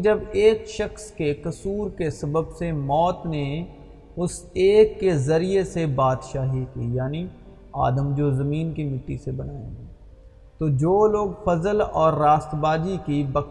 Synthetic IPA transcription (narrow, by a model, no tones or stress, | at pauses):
d͡ʒɐbeːkʃɐxskekɐsuːɾkesɐbəbsemɔːt̪ne | ʊseːkːezɐɾijesebaːd̪ʃaːɦikiːjaːni | a̰ːd̪əmd͡ʒoːzɐmiːnkimɪʈ̪ːisebɐnaːḛ̃ɛ | t̪oːd͡ʒoːloːɡfɐzəlɔ̰ːɾːaːst̪baːd͡ʒikibɐk